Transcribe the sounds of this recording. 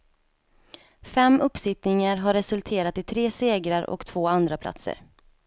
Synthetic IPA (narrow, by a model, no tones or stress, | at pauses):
fɛmːɵpːsɪt̪nɪŋaɾɦaɾːɛsɵlt̪ʰeːɾat̪ɪt̪ʰɾeːseːɡɾaɾɔ̰kt̪ʰv̥oːand̪ɾapʰla̰t̪sə̰ɾ